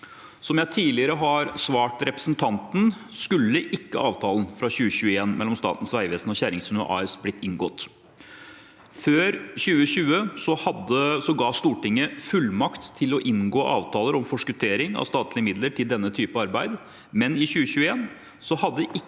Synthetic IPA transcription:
sɔmjæɪt̪ʰiːlɪəɾəɦɑɾsʋɑːʈɾɛpɾəsnt̪ʰɑnt̪n̩skʉlːəʔɪkːə̰ʔɑːʋt̪ʰɑːln̩fɾɑɕʉːəɕʉːəeːnmɛlːɔmst̪ɑ̰ːt̪n̩sʋæɪʋeːsnɔçæɾɪŋsʉnəʔɑ̰ːɛsblɪt̪ːɪŋɡɔt̪ | føːɾɕʉːəɕʉːəsɔhɑd̪əsɔɡɑːst̪uːʈɪŋːəfʉlmɑkt̪ʰːɪlɔʔɪnɡoːʔɑ̰ːʋt̪ʰɑːləɾɔmfɔʂkʉt̪ʰeːɾɪŋɑ̰ʋst̪ɑːt̪lɪəmɪd̪ləʈʰɪld̪ɛnːət̪ʰyːpəɑɾbæɪd̪ | mɛnɪçʉːəɕʉːəeːn | sɔhɑd̪ːəʔɪ

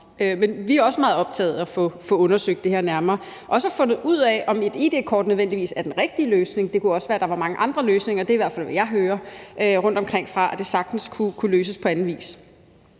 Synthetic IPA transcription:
ømenʋiæɐɒ̽səmɑ̈ːð̩ˠɒ̽b̥̚t͡sʰɛ̰ːð̞̩ˠæfɔfɔ̽ɔ̽nɐsøɡ̥̚d̥e̝heɐnæɐmɐː | ʔɒ̽sæfɔ̽nð̩ˠuð̰ˠɛɒ̽me̝d̥id̥e̝kʰɒ̰ːd̥nøð̞ˠʋen̰d̥iʋḭːsæɐd̥enʁeɡ̥̚d̥iəløːsne̝ŋd̥e̝kʰuɒ̽sʋæːɐɾ̥ɑ̈ʋɑ̈mɑ̈ŋəʔɑ̈nd̥ʁɐløːsne̝ŋɐd̥e̝iʋæɐfæl̰ʋejɑ̈ɪɦøːɐʔʁɔ̽n̰d̥ɒmkʰʁeŋ̰fʁɑ̈ʔæd̥e̝sɑ̈ɡ̥̚d̥n̩skʰukʰuløːs̬əspʰɒ̽ænn̩ʋḭːs

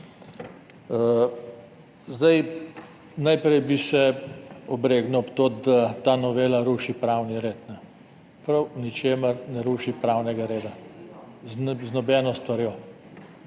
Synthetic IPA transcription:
ə | zd̪aj | najpɾɛjbisɛɔbɾeːɡnɔpt̪oːd̪at̪aːnɔʋeːlaɾuːʃipɾaːwniɾeːt̪nɛ | pɾɐwnit͡ʃeːməɾnɛɾuːʃipɾaːwnɛɡaɾeːd̪a | znɔbɛːnɔst̪ʋaɾjoː

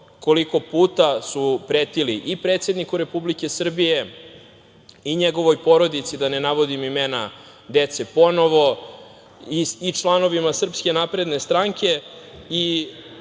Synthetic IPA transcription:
ko̞liko̞puːt̪asupɾeːt̪iliʔipɾe̞ːt̪se̞d̪nikuɾe̞publike̞sr̩bije | iɲeɡo̞ʋo̞jpo̞ɾo̞d̪it̪sid̪anenaʋo̞d̪imimena | d̪e̞t̪se̞po̞no̞ʋo̞ | iit͡ʃlˠano̞ʋimasr̩pskʲe̞napɾe̞d̪ne̞st̪ɾaŋkʲe̞i

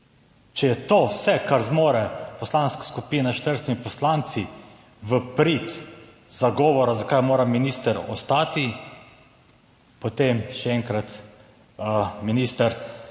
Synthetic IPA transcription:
t͡ʃɛjɛt̪oːwsɛkaɾzmoːɾɛpɔslanskḁskupiːnaʃt̪əɾst̪imipɔslaːnt̪si | ʋəpɾit̪ | z̥aɡɔːʋɔɾazakajmoːɾaminiːst̪əɾɔst̪aːt̪i | pɔt̪emʃɛɛŋkɾat̪ | miniːst̪əɾ

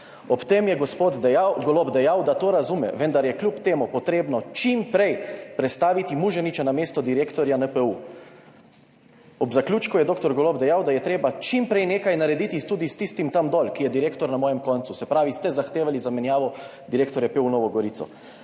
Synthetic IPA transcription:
ɔpt̪emjɛɡɔspoːd̪d̪ɛjawɡoloːbd̪ɛjawd̪at̪oːɾazumɛ̰ʋənd̪aɾjɛklʲupt̪eːmupɔt̪ɾeːbnɔt͡ʃimpɾejpɾɛt̪st̪aːʋit̪imuʒɛnit͡ʃanameːst̪ɔd̪iɾeːkt̪ɔɾjanəpəu | ɔbzaklʲjuːt͡ʃkujɛd̪oːkt̪ɔɾɡɔloːbd̪ɛjawd̪ajɛt̪ɾeːbat͡ʃimpɾɛjneːkajnaɾɛd̪it̪it̪uːd̪ist̪ist̪imt̪amd̪ɔlkijɛd̪iɾeːkt̪ɔɾnamɔːjɛmkɔnt̪susɛpɾaːʋist̪ɛzaxt̪eːʋalizamɛnjaːʋɔd̪iɾeːkt̪ɔɾjɛpeːwnɔːʋɔɡɔɾit̪ɔ̰

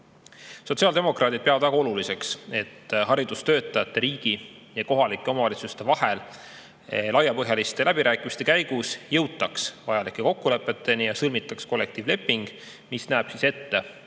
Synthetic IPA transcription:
so̞t̪siɑld̪e̞mo̞krɑːt̪id̪̚peɑvɑd̪væɡ̥ɑo̞lulise̞kse̞t̪ːɦɑɾid̪ust̪øːt̪ːˑɑjɑt̪ːe̞ɾiːɡ̥i | jɑko̞ɦɑlikːˑeo̞mɑvɑlit̪sust̪e̞vɑhe̞l | lɑjɑpɤɦjɑlist̪e̞læbiɾʔæːkːˑimist̪e̞kæjɡ̥usjɤwt̪ːˑɑksvɑjɑlikːˑe̞ko̞kːule̞pːˑe̞t̪ːˑe̞nijɑsɤlmit̪ːˑɑksko̞lːe̞k̚t̪iːvle̞pːˑiŋɡ̥ | misnæːb̥sise̞t̪ːe̞

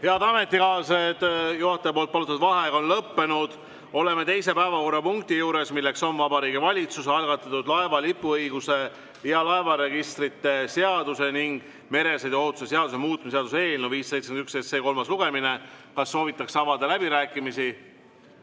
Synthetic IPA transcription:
he̞ɑd̪ɑme̞t̪ˑːikɑːsed̪juhɑt̪ːˑepolt̪̚pɑlut̪ːɑd̪vɑɦe̞konlɤpːe̞nud̪̥ | o̞le̞me̞t̪e̞jse̞pæevɑko̞rɑpuŋk̚t̪ijuːɾe̞smilːekso̞nvɑbɑɾiːɡivɑlʲit̪suseɑlɡ̥ɑt̪ːˑɑt̪ːud̪lɑevɑlipːuɤjɡ̥use̞ | iɑlɑevɑɾe̞ɡist̪rit̪ːe̞seɑd̪̥use̞niŋɡ̥ | me̞ɾe̞sejd̪̥o̞ɦut̪ːˑu̥ses̬e̞ɑd̪usemuːt̪ːˑumiseɑd̪use̞ːlnuviːsːejt̪senyksesseko̞lmɑsluɡ̥e̞mine̞kɑsːo̞ːvit̪ːˑɑksɑvɑd̪ɑlæbiɾæːkːˑimisi

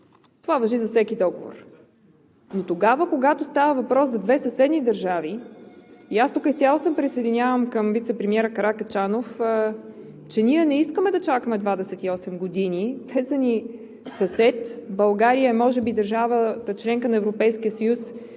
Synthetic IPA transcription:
t̪ovavɐʒizɐfsɛkid̪ɔɡovo̰ɾ | not̪oɡavəkoɡat̪ost̪avəvɐpɾɔszɐd̪vɛsɐsɛd̪nid̪ɐɾʒavi | iast̪ukəisʲalˠosəmpɾisəjd̪inʲjavəmkəmvit̪sɛpɾɛmiɛɾəkɐɾakət͡ʃanof | t͡ʃɛniɛnɛiskəmɛd̪ɐt͡ʃakəmɛd̪vad̪ɛsɛt̪iɔsɛmɡod̪init̪ʰɛsəni | sɐsɛt̪bɐlˠɡaɾijəɛmɔʒɛbid̪ɐɾʒavət̪ət͡ʃlɛŋkənɐɛvɾopɛjskiəsɐjus

